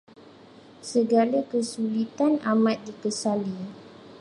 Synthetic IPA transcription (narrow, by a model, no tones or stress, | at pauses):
səɡalakəsulit̪anamãt̪̚dikəsali